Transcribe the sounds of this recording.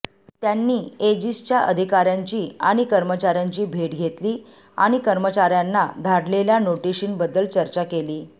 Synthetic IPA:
t̪janːiːed͡ʑist͡ɕjaʔəd̪ʱikaɾjaɲt͡ɕiːa̰ɽ̃ikəɾmət͡ɕaɾjaɲt͡ɕiːbʱeʈɡʱet̪liː | a̰ɽ̃ikəɾmət͡ɕaɾjanːad̪ʱaɽleljanoʈiɕiːnbəd̪ːəlt͡ɕəɾt͡ɕakeliː

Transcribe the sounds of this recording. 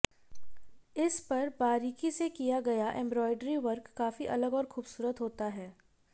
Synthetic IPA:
ɪspɐɾbaːɾiːkisekijaɡɐjaʔɛ̃mbɾɔːɪɖɾiʋɐɾkːaːfiʔɐləɡɔːɾxuːbsuːɾət̪ɦoːt̪aɦɛː

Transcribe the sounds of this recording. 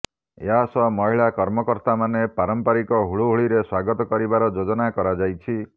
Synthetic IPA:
ḛɦasɔmɔɦiɭakɔɾmɔkɔɾt̪amanepaɾɔmpaɾikɔɦuɭuɦuɭiɾeswaɡɔt̪ɔkɔɾibaɾɔd͡ʒod͡ʒɔnakɔɾad͡ʒajt͡ʃʰi

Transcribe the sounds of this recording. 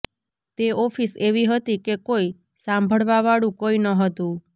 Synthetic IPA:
t̪eɔfiseʋiɦət̪ikekoi | sãmbʱəɭʋaʋaɽũkoinəɦət̪ũ

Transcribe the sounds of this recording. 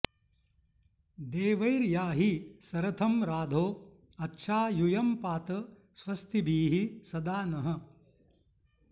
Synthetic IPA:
d̪eːʋɐjɾjaːɦisɐɾɐt̪ʰɐmɾaːd̪ʱoː | ɐtːʃʰaːjujɐmpaːt̪ɐ | sʋɐst̪ʰibiːɦisɐd̪aːnɐɦɐ̆

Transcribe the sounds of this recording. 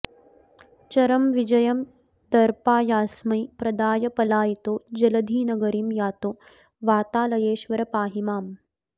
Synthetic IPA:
t͡ʃɐɾɐmʋid͡ʒɐjɐm | d̪ɐɾpaːjaːsmɐjpɾɐd̪aːjɐpɐlaːjit̪oːd͡ʒɐlɐd̪ʱiːnɐɡɐɾimjaːt̪oː | ʋaːt̪aːlɐjeːʃʋɐɾɐpaːɦimaːm

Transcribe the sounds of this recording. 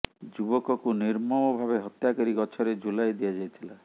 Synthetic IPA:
d͡ʒubɔkɔkuniɾmɔbɔbʱaβeɦɔt̪jakɔɾiɡɔt͡ʃʰɔɾed͡ʒulajd̪ijad͡ʒajt̪ʰila

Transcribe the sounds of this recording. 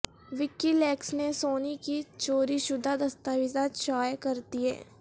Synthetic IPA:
ʋɪkːilɛːksnesoːnikit͡ʃoːɾiʃʊd̪ʱːad̪ɐst̪aːʋɪzaʃaːjkɐɾt̪iɦɛ̰ː

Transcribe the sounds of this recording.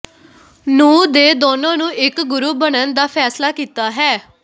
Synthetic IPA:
nuːd̪eːd̪oːnãːnũːɪkɡʊɾuːbəɽənd̪aːpʰɛːslaːkiːt̪aːɦɛː

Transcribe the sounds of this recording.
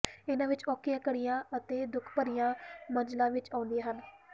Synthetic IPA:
ɪnãːʋɪt͡ʃɔːkːɪjãːkəɽɪjãːət̪eːd̪ʊkʰpəɾɪjãːməd͡ʒlãːʋɪt͡ʃaːʊ̃nd̪ijãːɦən

